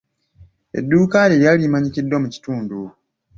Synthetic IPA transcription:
ḛdːuːkaːɾieɾjalimaɲicidwamuci̥tuːndu

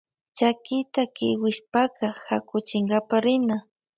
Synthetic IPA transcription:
t͡ʃakɪt̪akɪwɪʃpakahakʊt͡ʃɪŋɡapaɾɪna

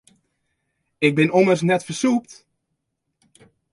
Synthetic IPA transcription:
ɪk̚bɪnomərsnɛtfərsuːp̚t

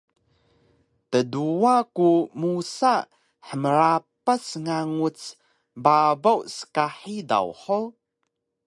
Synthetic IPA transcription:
təduakumusa | ħəməɾapəsŋaŋut͡s | babawsə̥kaħida̰wħo

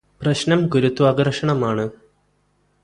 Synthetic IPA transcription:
prɐɕnɐmɡuɾut̪ːwaːɡɐrʂɐɳɐmaːɳɨ

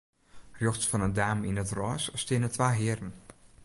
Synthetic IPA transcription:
rjɔχt͡sfɔnəndaːminətrɔːsstɪːnətʋaːɦɪːɾən

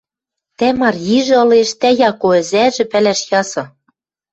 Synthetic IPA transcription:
t̪æmɑrjiʒɘ̆ɤ̆leʃt̪æjɑkoɘ̆zæʒɘ̆pælæʃjɑsɤ̆

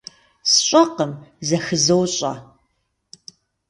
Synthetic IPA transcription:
sɕʼɐqəmzɐxɨzɐwɕʼɐ̰

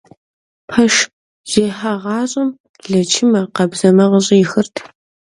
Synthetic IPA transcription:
pʰɐʃ | z̥eːħɐʁɑːɕʼɐm | ɮɐt͡ʃʰɪmɐqɐbzɐmɐʁəɕʼijɪxɨrtʰ

